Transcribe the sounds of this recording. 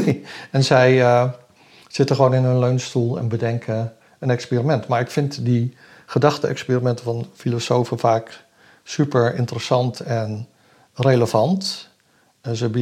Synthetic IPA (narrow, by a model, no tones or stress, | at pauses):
ɛnzɛj | z̥ɪtəχəʋownɪnɦɵnløɥnstulˠɛ̰nbədɛŋkʰə | ənɛkspiːrimɛntmaːɹɪkfɪntdi | χədɑχtəɛ̰kspiːrimɛntəvɑnfilosowfəvaːk | sypəɹɪ̰ntərəsɑntɛn | rejləv̥ɑnt | zəb